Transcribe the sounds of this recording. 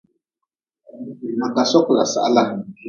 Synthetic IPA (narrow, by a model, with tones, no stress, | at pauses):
na˨ka˨sɔ˦kla̰˨sa̰˨ʔa˦la˦